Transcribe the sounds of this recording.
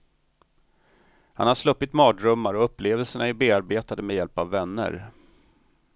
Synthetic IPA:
hanhaʂlɵpːɪt̪mɑːdɾɵmːaɾɔɵpːleːvəlsəɳaɪbeːaɾbeːt̪ad̪əmejɛlpavːɛnːə̰ɾ

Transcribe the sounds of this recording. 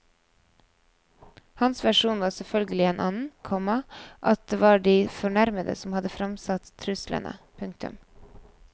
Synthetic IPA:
hɑnsʋæʃuːnʋɑːɾsɛlfœlɡəlɪeːnʔɑːnn̩kʰɔmɑʔɑt̪̚d̪eːʋɑːɖiːfɔɳæɾməd̪ə̰sɔmhɑd̪əfɾɑmsɑt̪t̪ʰːɾʉslə̰nə̰pʰʉŋk̚t̪ʉ̰m

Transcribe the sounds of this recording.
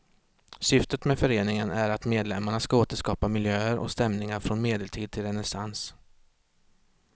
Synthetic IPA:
sʏft̪ət̪mɛfœɾeːnɪŋənæɾat̪meːd̪lɛmːaɳaskaoːt̪əʂkɑːpamɪljøːəɾʔɔ̰kst̪ɛmnɪŋaɾfɾɔnmeːd̪ɛlt̪ʰiːd̪̚t̪ʰɪlɾɛnɛsans

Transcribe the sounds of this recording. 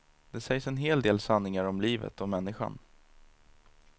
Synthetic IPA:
d̪̥ɛsɛjsɛnɦeːld̪eːlsanːɪŋaɾɔmliːvə̰t̪ɔmɛnːɪɧa̰n

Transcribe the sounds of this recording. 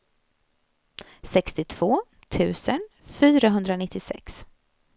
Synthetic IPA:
sɛkst̪ɪt̪ʰv̥oː | t̪ʰʉ̟ːsən | fyːɾaɦɵnd̪ɾanɪt̪ʰːɪsɛ̰ks

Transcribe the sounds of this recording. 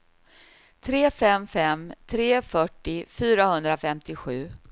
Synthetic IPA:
t̪ʰɾeːfɛmfɛmt̪ʰɾeːfœʈːɪfyːɾahɵnd̪ɾafɛmt̪ɪɧʉ̟ː

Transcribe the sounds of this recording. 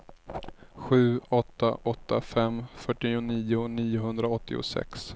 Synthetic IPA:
ɧʉ̟ːɔt̪ːa̰ʔɔt̪ʰːafɛmːfœʈːɪʊniːʊniːʊɦɵnd̪ɾaɔt̪ʰːɪʊ̰sɛ̰ks

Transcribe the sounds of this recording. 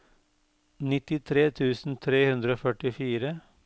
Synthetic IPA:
nɪt̪ɪt̪ʰɾeːt̪ʰʉːsn̩t̪ʰɾeːhʉnd̪ɾəoːfœʈɪfiːɾə

